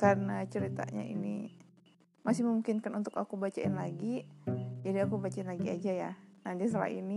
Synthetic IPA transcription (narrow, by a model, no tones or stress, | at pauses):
karənat͡ʃəɾit̪a̰ɲa̰ḭnḭ | masɪhmumukɪnkanunt̪ʊkakubat͡ʃaɪnlaɡid͡ʒadiakubat͡ʃaɪnlaɡiad͡ʒajanahdiasət̪əla̰ḭni